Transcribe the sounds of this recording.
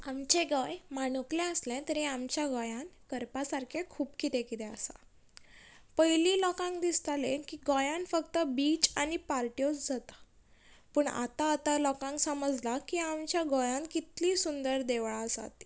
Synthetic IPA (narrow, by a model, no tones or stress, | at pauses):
amt͡ɕeɡəjmanuklɛ̃əslɛ̃t̪əɾĩamt͡ɕjaɡɔjãnkəɾpasaɾkʰekʰuːpkit̪ɛ̃kit̪ɛ̃əsa̰ | pəjliːlɔkãŋkd̪ist̪alẽkiɡɔjãnfəkt̪əbiːt͡ɕanipaɾʈijot͡sd͡zat̪ḁ | pəɳa̰t̪aːt̪alɔkãŋksəməd͡zlakiamt͡ɕjaɡɔjãŋkit̪liːsund̪əɾd̪eʋɭasa̰t̪i̥